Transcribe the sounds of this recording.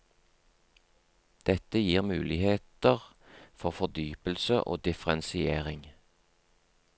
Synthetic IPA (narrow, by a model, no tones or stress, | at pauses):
d̪̥ɛt̪əjiːʁmʉːlɪheːt̪əʁ | fɔʁfɔd̪yːpəlsəʔo̰ːd̪ɪfʁɛnsɪeːʁɪŋ